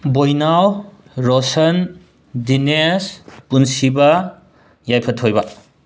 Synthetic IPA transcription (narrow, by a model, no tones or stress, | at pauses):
bojnaw | ɾosɐn | dinespunsibɐ | jajpʰɐtʰojbɐ